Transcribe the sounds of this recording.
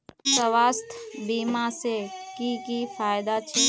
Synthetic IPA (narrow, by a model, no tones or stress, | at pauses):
səʋaːst̪ʰbiːmasekikifʰaːjd̪at͡ʃʰː